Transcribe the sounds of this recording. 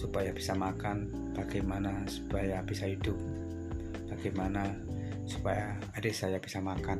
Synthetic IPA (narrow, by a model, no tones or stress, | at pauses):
supajab̥i̥samakan | b̥aɡajmanasu̥pajab̥isaidʊp̚ | b̥aɡ̥ajmana | su̥pajaː | dɛsajabisamakan